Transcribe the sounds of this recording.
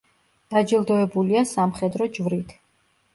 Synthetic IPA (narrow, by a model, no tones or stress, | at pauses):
d̪̥ad͡ʒilˠd̪ɔɛbuliasamχɛd̪ɾɔd͡ʒvɾit̪ʰ